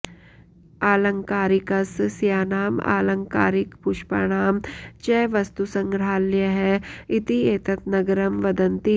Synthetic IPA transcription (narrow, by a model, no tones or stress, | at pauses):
aːlɐ̃ŋkaːɾɪkɐssjaːnaːma̰ːlɐ̃ŋka̰ːɾɪkpʊʃpa̰ɽ̃aːmt͡ʃɛːʋɐst̪usɐ̃ŋɡɾaːljəɦɛɪt̪ieːt̪ɐt̪nɐɡɐɾɐmʋɐd̪ɐnt̪i